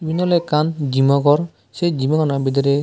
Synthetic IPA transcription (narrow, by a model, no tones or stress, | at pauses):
binɔlɛkand͡ʒimɔɡɔɾ | sɛd͡ʒimaɡanabid̪ɔɾɛ